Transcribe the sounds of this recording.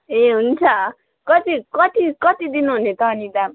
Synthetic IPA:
eɦunt͡sʰʌ | kʌt̪ikʌt̪ikʌt̪id̪inuɦunet̪ʌɦːnid̪am

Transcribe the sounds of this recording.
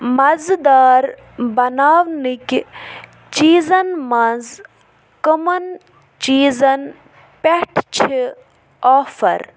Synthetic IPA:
mɐzd̪aːɾ | bɐnaːʋnikʲ | t͡ʃiːzɐnmɐnz | kɐmɐn | t͡ʃiːzɐn | peʈʰt͡ʃʰi | aːfɐ̰ɾ

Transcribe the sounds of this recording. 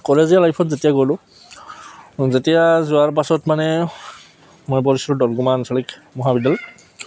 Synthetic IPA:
kɔlezialajpʰɔtzetijaɡojlʊ̃ | zetijazʊaɹp̬asɔtmanɛ | mojbɔɹisɔɹʊdɔlɡumansalikmɔɦabidal

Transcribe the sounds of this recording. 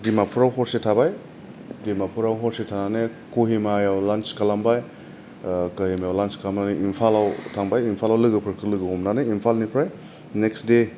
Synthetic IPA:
dimapʰuɾawɦɔɾsetʰabaj | dimapʰuɾawɦɔɾsetʰananekuɦimajawlant͡ʃkalambaj | kahimajawlanskalamnanɯʔimpʰalawtʰaŋbajimpʰalawlɯɡɯpʰɯɾkʰɯlɯɡɯhɔmnaneimpʰalnipʰɾaj | neksde

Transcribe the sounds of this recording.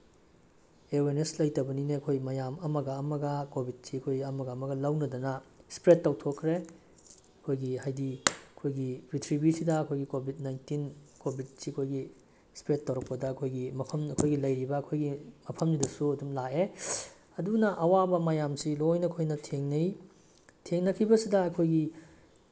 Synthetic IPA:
eweneslɐjtɐbɐnineɐkʰojmɐjamɐmɐɡɐːmɐɡɐkobʱit̚siɐkʰojɡiɐmɐɡɐɐmɐɡɐlɐwnɐdɐnɐspɾetːɐwtʰokʰːɾe | ɐkʰojɡihajdiɐkʰojɡibitʰɾibisidɐːkʰojɡikobʱit̚najntinkobʱit̚siɐkʰojɡi | spɾetːɐwɾɐk̚pɐdɐːkʰojɡimɐpʰɐmɐkʰojɡilɐjɾibɐːkʰojɡimɐpʰɐmnidɐsuɐdumlae | ɐdunɐʔɐwabɐmɐjamsilojnɐkʰojnɐtʰeŋnɐj | tʰeŋnɐkʰibɐsidɐɐkʰojɡi

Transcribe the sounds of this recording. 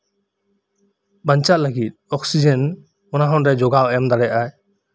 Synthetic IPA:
baɲt͡ʃaʔləɡit̪̚ɔksid͡ʒɛn | ɔnaɦɔ̃nɾɛd͡ʒɔɡawɛmd̪aɽɛjaʔaj

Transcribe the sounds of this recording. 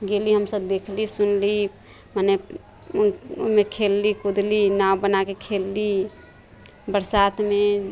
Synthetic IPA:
ɡeliɦəmsəbd̪ekʰlisunli | mane | mekʰelːikud̪linawbənakekʰelːi | bəɾsat̪ʰme

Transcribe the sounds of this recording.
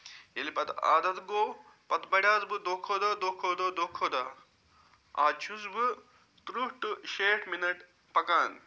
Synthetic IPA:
jelipɐt̪a̰ːd̪ɐt̪ɡoː | pɐt̪bɐɽʲjaːzbɨd̪oːkʰoːd̪ɐd̪oːkʰoːd̪oːd̪oːkʰoːd̪a | a̰ːt͡ʃʰuzbɨ | t̪ɾuʂʈɨʃeːʈʰminɐʈ | pɐkaːn

